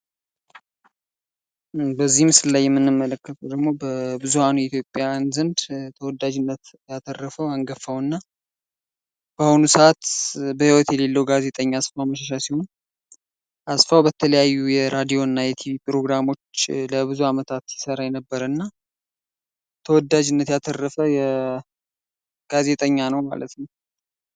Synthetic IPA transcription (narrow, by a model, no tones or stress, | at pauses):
bəzːihmsɨlːajːɛmːɨnːɨmːələkːət̪ʰəwd̪əɡmo̞bəbɨzuhanujɛit̪ʰjo̞pʼːjanzɨnd̪t̪ʰəwɔd̪ad͡ʒɪnːət̪jat̪ʰʼərːəfəwaŋɡəfːəwɨnːa | b̥ahonusəʔat̪bəhiwɔt̪jɛle̞lːəwɡaze̞t̪ʼəɲːaːsfawməʃaʃ̬asihon | ʔasfawbət̪ʰələjajːujɛɾad̪ijo̞ɨnːajɛt̪ʰivipʰʼɾo̞ɡɾamo̞t͡ʃːləbɨzuamət̪ʰat̪jɪsəɾajɛnəbːəɾəɨnːa | t̪ʰəwɔd̪ːad͡ʒɪnːət̪jat̪ʰərːəfəjɛ | ɡ̥aze̞t̪ʼəɲːanəwma̰lə̰t̪nəw